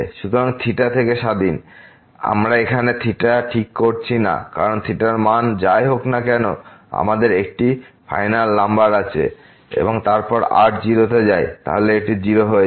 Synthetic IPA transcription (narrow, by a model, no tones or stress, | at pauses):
ʃut̪oɾaŋt̪ʰiʈat̪ʰekeʃad̪in | a̰mɾaekʰanet̪ʰiʈaʈʰikːoɾt͡ɕʰina̰ka̰ɾont̪ʰiʈaɾmand͡ʑajɦoknakɛnoa̰mad̪eɾek̚ʈifʰa̰jnalːambaɾat͡ɕʰḛ | ḛboŋt̪aɾpɔɾa̰ʈd͡ʑiɾot̪ed͡ʑaet̪a̰ɦoleekʈud͡ʑiɾoɦoe